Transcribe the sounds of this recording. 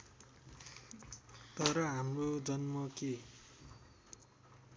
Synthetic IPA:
t̪ʌɾʌɦamrod͡zʌnmʌke

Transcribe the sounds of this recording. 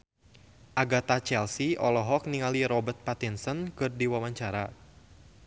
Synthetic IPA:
ʔaɡat̪at͡ʃɛlsiɔlɔɦɔk̚niŋaliɾɔbərt̪̚pat̪insɔnkɨrdiwawaɲt͡ʃaɾa

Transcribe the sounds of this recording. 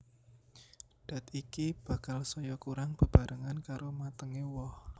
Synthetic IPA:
d̥a̤t̪ikib̥a̤kalsɔjɔkuɾaŋb̥ə̤b̥a̤ɾʔəŋankaɾomat̪əŋewɔh

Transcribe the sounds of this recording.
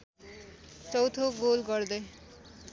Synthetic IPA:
t͡sʌwt̪ʰoɡolɡʌrd̪ʌj

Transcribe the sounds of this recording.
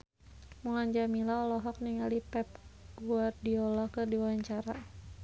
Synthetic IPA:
mulaɲd͡ʒamilaɔlɔɦɔk̚niŋalipɛp̚ɡ̥uardiɔlakərdiwaɲt͡ʃaɾa

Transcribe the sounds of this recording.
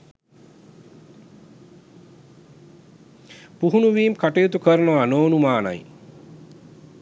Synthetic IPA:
puɦunuʋiːmkaʈijut̪ukəɾənoʋanoːnumaːna̰j

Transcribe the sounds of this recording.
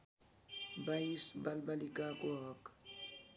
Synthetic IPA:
baisbalbalikakuɔk

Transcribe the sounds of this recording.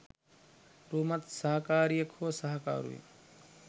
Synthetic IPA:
ɾuːmɐt̪sɐɦɐkaːɾijɐkʰoːsɐɦɐka̰ːɾṵḭ

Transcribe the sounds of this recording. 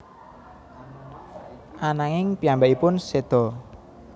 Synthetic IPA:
ʔanaŋɪŋpiambaʔipʊnsed̪̥ɔ

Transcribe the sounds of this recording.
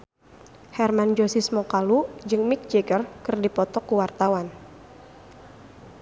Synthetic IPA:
hɛrmand͡ʒosismɔkalud͡ʒɨŋmɪk̚d͡ʒeɡərkɨrdipɔt̪ɔkuwart̪awan

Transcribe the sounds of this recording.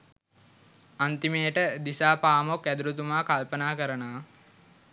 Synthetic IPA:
ant̪imejəʈəd̪isaːpaːmokæd̪uɾut̪umaːkalpənaːkəɾənaː

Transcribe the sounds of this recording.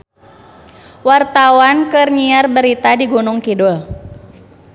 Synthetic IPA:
wart̪awankɨrɲiarbəɾit̪adiɡunʊŋkidʊl

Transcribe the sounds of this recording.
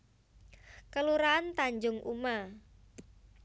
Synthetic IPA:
kəluɾaːnt̪aɲd͡ʒʊŋʔṵma

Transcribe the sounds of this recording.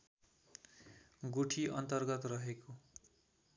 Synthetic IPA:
ɡuʈʰiʌnt̪ʌrɡʌt̪rʌɦeko

